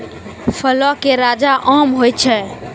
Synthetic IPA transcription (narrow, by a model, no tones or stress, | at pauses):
fʰəlɔkeɾad͡ʒaʔɔmɦojt̚t͡ʃʰɛ